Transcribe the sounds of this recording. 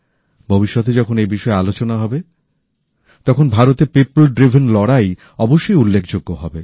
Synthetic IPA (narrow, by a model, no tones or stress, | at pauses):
bʱobiʃːɔt̪ed͡ʑɔkʰonejbiʃɔealot͡ɕonaɦɔbe | t̪ɔkʰonbʱaɾot̪epipolɖɾibʱenlɔɽaj | ɔboʃːojulːekʰd͡ʑoɡːoɦɔbe